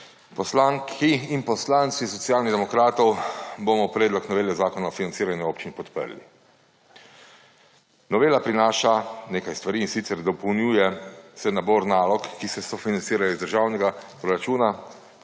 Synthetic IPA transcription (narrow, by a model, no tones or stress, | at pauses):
pɔslaːŋkʰiinpɔslaːnt̪sisɔt̪sjaːlniɣd̪ɛmɔkɾaːt̪ɔwbomɔpɾɛːd̪lɔknɔʋeːljɛzaːkɔnaɔfinansiːɾanjɛoːpt͡ʃinipɔt̪pə̰ɾlḭ | nɔʋeːlapɾinaːʃaneːkajst̪ʋaɾiːnsit̪sɛɾd̪ɔpɔwnjuːjɛsɛnabɔːɾnaːlɔkːisɛsɔfinant̪iːɾajɔizd̪əɾʒaːwnɛɡapɾɔɾat͡ʃuːna